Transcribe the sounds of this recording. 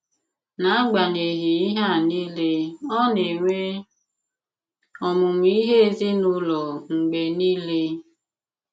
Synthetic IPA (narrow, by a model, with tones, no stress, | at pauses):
na˨˦a˦ɡ͡ba˨ne˨ɦi˨i˦ɦa˦˨ni˦le˦ɔ˦ne˨ŋʷe˦ | ɔ˨mʊ˨m˨i˦ɦe˦e˨zi˦nʊ˦lɔ˨ŋ͡m̩˨ɡ͡be˨ni˦le˦